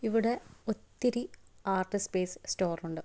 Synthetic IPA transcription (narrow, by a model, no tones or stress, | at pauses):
iʋiɽe̞ot̪ːiɾiaːrʈːispeːssto̞ːruɳɖɨ